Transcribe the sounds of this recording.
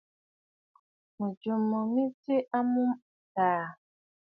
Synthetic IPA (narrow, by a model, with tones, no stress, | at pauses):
mu˨d͡ʒu˨mu˨mi˦ti˦ʔa˦mũ˦m˨taː˨